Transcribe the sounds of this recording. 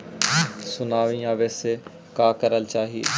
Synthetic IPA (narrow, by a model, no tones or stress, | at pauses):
sʊnaːʋĩjãːʋeːse | kaːkəɾəlt͡ʃaːɦiḛ